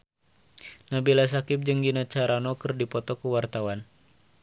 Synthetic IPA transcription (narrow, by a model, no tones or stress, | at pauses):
nabilas̬akɪp̚d͡ʒəŋɡinat͡ʃaɾanɔkərdipɔt̪ɔkuwart̪awan